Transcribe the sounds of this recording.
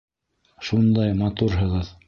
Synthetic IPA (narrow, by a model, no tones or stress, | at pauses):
ʃund̪ɑjmɑt̪uɾɦɤ̆ʁɤð